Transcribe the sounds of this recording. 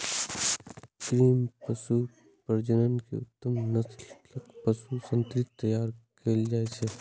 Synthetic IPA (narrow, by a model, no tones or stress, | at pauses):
kɾiːmpəsu | pəɾd͡ʒənənkḛʊ̰t̪ːəmnələkpəsusə̃nt̪ɾɪt̪ːɐjaːɾkeːld͡ʒaːesʰeː